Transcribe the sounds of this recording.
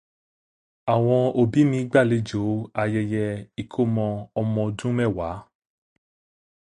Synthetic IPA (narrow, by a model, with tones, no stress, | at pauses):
a˨w̃ɔ̃˧o˧bi˨˦mĩ˧˦ɡ͡ba˦˨le˨˦d͡ʒo˨˦a˧jɛ˧jɛ˧i˨kʰo˦mɔ̃˧ɔ˧mɔ̃˧dũ˦mɛ˦˨wa˨˦